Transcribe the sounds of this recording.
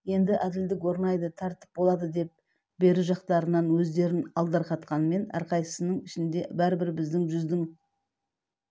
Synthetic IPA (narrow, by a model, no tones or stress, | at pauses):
je̞nd̪ɪʔæd̪ɪld̪ɪkwo̞ɾnɑjd̪ət̪ʰɑɾt̪ə̥p̚bo̞lˠɑd̪əd̪e̞p̚ | be̞ɾɪʒɑqt̪ɑɾənɑnwɵzd̪e̞ɾɪnɑlˠd̪ɑɾqɑt̪qɑnme̞nɑ̰ɾqɑjə̥sənəɴɪʃɪnd̪e̞bæɾɪbɪɾbɪzd̪ɪŋʒʏzd̪ɪŋ